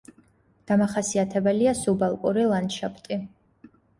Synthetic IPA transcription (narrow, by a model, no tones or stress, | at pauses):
d̪̥amaχasiat̪ʰɛbɛliasubalˠkʼuɾilˠanʃapʰt̪ʼi